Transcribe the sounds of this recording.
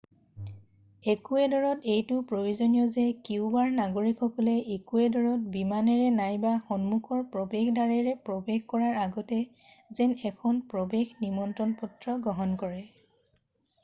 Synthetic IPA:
ekuɛdɔɹɔtejtʊpɹojuzɔnijɔzɛkiʊbaɹnaɡoɹikɔkɔlɛʔekuɛdɔɹɔt̚bimanɛɹɛnajbaxɔnmukʰɔɹpɹɔbexdaɹɛɹɛpɹɔbexkɔɹaɹaɡɔtɛ | zɛnɛkʰɔnpɹɔbexnimɔntɹɔnpɔtɹɔɡɔɦɔnkɔɹɛ

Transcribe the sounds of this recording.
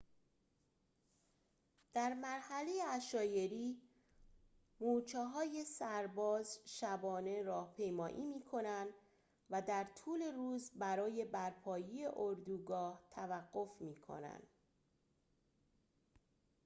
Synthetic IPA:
d̪̥æɾmæɾhæle̞jeæʃɒːje̞ɾiː | muːt͡ʃʰeɦɒːje̞sæɾbɒːzʃæbɒːne̞ɾɒːhpʰe̞jmɒːʔiːmiːkʰo̞nænd̪ | væd̪æɾt̪ʰuːle̞ɾuːzbæɾɒːje̞bæɾpʰɒːjejeʔoɾd̪uːɡɒːht̪ʰævæɡːo̞fmiːkʰo̞̰næ̰nd̪̥

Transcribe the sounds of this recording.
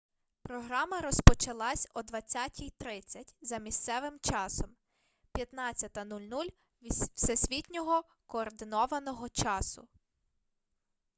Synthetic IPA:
pɾɔɦɾɑmɐɾɔspɔt͡ʃɐlˠɑsʲɔd̪ʋɐt͡sʲatʲʰijt̪ɾɪt͡sʲːɐtʲzɐmʲist̪sɛʋɪmt͡ʃɑsɔm | pʲjɐt̪nɑt͡sʲːɐt̪ɐnulʲnulʲ | sɛsʲʋʲitʲnʲɔɦɔ | kɔːrd̪ɪnɔʋɐnɔɦɔt͡ʃɑsʊ

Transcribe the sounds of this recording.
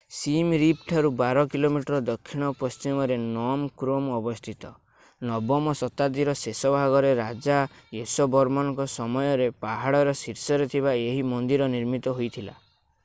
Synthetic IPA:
simɾipʰʈʰaɾubaɾɔkilomiʈɾɔd̪ɔkʰːiɽ̃ɔpɔst͡ʃimɔɾenɔmkɾomɔbɔst̪ʰit̪ɔ | nɔbɔmɔsɔt̪ad̪iɾɔsesɔbʱaɡɔɾeɾad͡ʒaesɔbɔɾmɔnɔŋkɔsɔmɔjɔɾepaɦaɽɔɾɔsiɾsɔɾet̪ʰiβaeɦimɔnd̪iɾɔniɾmit̪ɔɦojt̪ʰila̰

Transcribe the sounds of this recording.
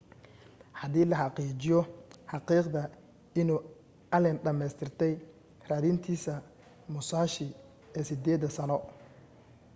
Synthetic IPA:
hɑðiːlɐħɑqiːt͡ʃɪjɔħɑqiːqd̪ɐ | ɪnuː | ɐlɛnɖɐmɛjst̪ʰɪrt̪ʰɛj | raːðint̪ʰiːsɐ | mʊsaːʃɪ | ɛːsɪd̪ɛːðɐsɐnɔ

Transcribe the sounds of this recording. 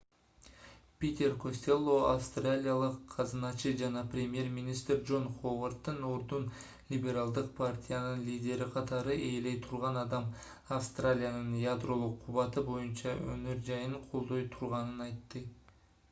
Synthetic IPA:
pʲet̪ʲe̞rkʰo̞sʲt̪ʲe̞lˠːo̞afst̪ralʲijalˠəqʰːɑzɯnɑt͡ʃɨd͡ʒɑnɑprʲemʲje̞rmʲinʲist̪rʲd͡ʒo̞nχovart̪ːɯnoɾd̪un | lʲibʲe̞ɾalˠd̪ɯq̚pʰartʲʰijanɨnlʲijdʲe̞ɾiqʰɑt̪ɑɾɯʔe̞jle̞jt̪ʰuɾʁɑnɑd̪ɑm | ɐfst̪ralʲijanɯnjad̪ro̞lˠuqʰːuβɑt̪ɯbo̞junt͡ʃɑønøɾd͡ʒɑjɯɴqʰo̞lˠd̪o̞jt̪ʰuɾʁɑnənɑjt̪ːə

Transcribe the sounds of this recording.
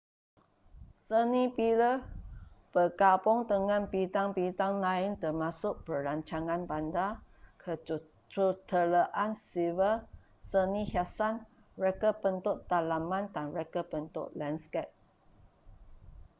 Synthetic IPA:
sənĩpilə | b̥əkapʊŋdəŋãnpit̪aŋpit̪aŋlaɪnt̪ərmãsʊk̚bəɾaɲt͡ʃaŋãnbanda | kʰə | t̪ut̪ʰələʔansivə | sənĩhasan | rɛkəpənt̪ʊt̪t̪alamãndanɹɛkəpənt̪ʊ̰ʔ̚lɛnskɛt̚

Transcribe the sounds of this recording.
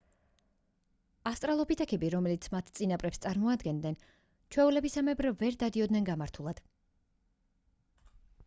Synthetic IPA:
ast̪ʼɾalˠɔpʰit̪ʰakʰɛbiɾɔmɛlit̪sʰmat̪ʰt̪sʼinapʼɾɛpst̪sʼaɾmɔad̪ɡɛnd̪nɛn | t͡ʃʰwɛulɛbisamɛbɾvɛɾd̪ad̪iɔd̪nɛnɡamaɾt̪ʰulˠad̪̥

